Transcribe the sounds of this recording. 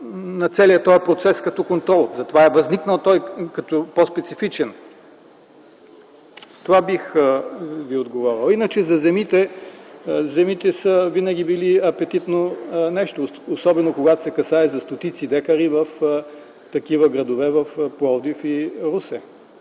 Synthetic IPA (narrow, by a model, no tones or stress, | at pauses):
nɐt̪sɛliət̪ɔjpɾot̪sɛskɐt̪ɔkont̪ɾɔlˠzɐt̪ovaɛvɐzniknəlˠt̪ɔjkɐt̪ɔpospɛt̪sifit͡ʃɛn | t̪ovabix | viod̪ɡovɔɾilˠinət͡ʃɛzɐzɛmit̪ɛ | zɛmit̪ɛsəvinɐɡ̟ibiliɐpɛt̪it̪nonɛʃt̪oosɔbɛnokoɡat̪o̥sɛkɐsaɛzɐst̪ot̪it̪sid̪ɛkɐɾivɐf | t̪ɐkivɐɡɾɐd̪ovɛvɐfplˠɔld̪ifiɾusɛ